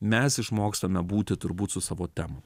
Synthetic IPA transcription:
mʲɛsɪʃmoːkst̪ɐmʲɛbuːt̪ʲɪt̪ʊɾbuːt̪sʊsɑːʋoːt̪ʲɛːmʊ

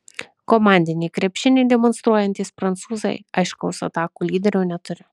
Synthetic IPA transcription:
komanʲd̪ʲɪnʲejkɾʲepʲʃʲɪnʲejd̪ʲemonst̪ɾɔjɐnt̪ʲisʲfɾɐnt̪suzɐ̰jɐjʃkɐwsɐ̰t̪akʊlʲiːd̪ʲeɾʲunʲɛt̪ʊɾʲɛ

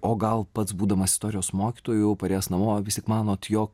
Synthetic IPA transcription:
oːɡɐlˠpɐt̪sbuːd̪ɐmɐsʲɪst̪oːɾʲɪjoːsmoːkʲiɪt̪oːjʊpɐɾʲeːsnɐmoːʋʲɪsʲt̪ʲɪkmɑːnoːt̪joːk

